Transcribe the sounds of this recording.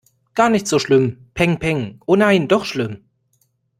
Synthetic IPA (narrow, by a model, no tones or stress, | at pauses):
ɡ̥aːɐnɪçtz̥oːʃlʏmpʰɛŋpʰɛŋʔoːnaɪndɔχʃlʏm